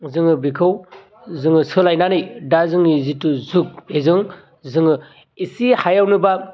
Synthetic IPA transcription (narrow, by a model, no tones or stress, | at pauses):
zɯŋɯbikʰɯw | zɯŋɯsɯlajnanɯjdazɯŋnizituzuk̚ezɯŋ | zɯŋɯ | isihajawnɯba